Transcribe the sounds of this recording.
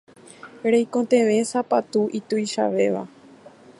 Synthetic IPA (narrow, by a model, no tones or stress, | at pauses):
ɾejkõt̪ẽ̞ʋẽ̞sapat̪uʔit̪ujʃa̰ʋe̞ʋa̰